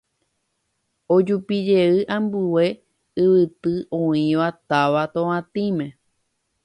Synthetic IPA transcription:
od͡ʒupid͡ʒe̞ɨʔãmbuwe̞ | ɨʋɨt̪ɨʔõĩʋat̪aʋat̪õãt̪ĩmẽ

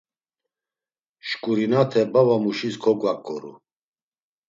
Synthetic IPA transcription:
ʃkʼuɾinat̪ʰɛbavamuʃiskʰɔɡwakʼːɔ̰ɾṵ

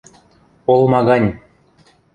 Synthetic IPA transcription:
olˠmɑɣɑnʲ

